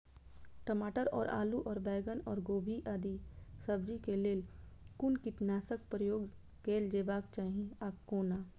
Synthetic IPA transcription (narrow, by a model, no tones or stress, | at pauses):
ʈəmaːʈəɾɔ̰ːɾa̰ːluʔɔːɾbɛːɡənɔːɾɡoːbʱiʔaːd̪isəbd͡ʒikeleːlkʊnkɪʈnaːsək̚pɾəjoːɡ | keːld͡ʒeːʋaːk̚t͡ʃaːɦieaːkːoːnaː